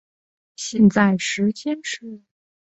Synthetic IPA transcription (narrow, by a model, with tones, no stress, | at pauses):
ɕjɛ˥˧nt͡sa˥˩ɪʂɻ̩˧˥t͡ɕʰjɛ˥nʈ͡ʂ̩ʰ˥˩